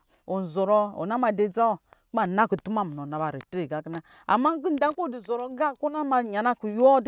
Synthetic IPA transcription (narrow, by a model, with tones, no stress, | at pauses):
o˨n̩˨zo˨ɾo˦o̰˨na˦ma˨de˦d͡za˦wo˨ka˨na˦ku˨tu˦ma˦˨m˨no˨na˨ba˨ɾe˨tɾe˨ɡa˦ki˦na˦ | a̰˨ma˦ɡi˦n˦da˦ŋ˦ko˦˨di˨zo˨ɾo˨˦ɡa˦˨ko˦na˦ma˨ɲa˨na˦ku˨ju˦ɔ˦d